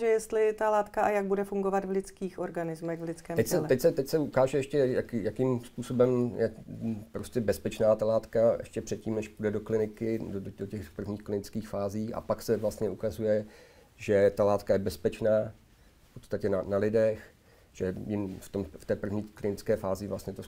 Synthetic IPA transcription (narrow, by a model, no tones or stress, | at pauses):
ʒɛjɛst̪lɪt̪alaːt̪kaʔajaɡ̚budɛfuŋɡovat̪vlɪt͡skiːxoɾɡanɪzmɛxvlɪt͡skɛːmɛsɛlt̪ɛcsɛt̪ɛcsɛukaːʒɛɛʃcɛjakjakimspuːso̞bɛmjɛpɾoscɛbɛspɛt͡ʃnaːt̪alaːt̪kaɛ̰ʃcɛpr̥ɛt̪̚ciːmnɛʃpudɛdo̞klɪnɪkɪddoocɛxpr̩vɲiːxklɪnɪt͡skiːxfaːziːʔa̰paksɛvlast̪ɲɛʔukazujɛ | ʒɛt̪alaːt̪kajɛbɛspɛt͡ʃnaː | pot̪st̪acɛnanalɪdɛx | ʒ̥ɛjɪmft̪omft̪ɛːpr̩vɲiːklɪnɪt͡skɛːfaːzɪvlast̪ɲɛt̪o